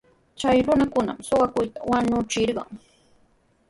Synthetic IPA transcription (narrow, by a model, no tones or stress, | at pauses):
t͡ʃajɾʊnakʊna̰msoɢɑkʊjt̪awaɲʊt͡ʃɪɾɢɑ̰ŋ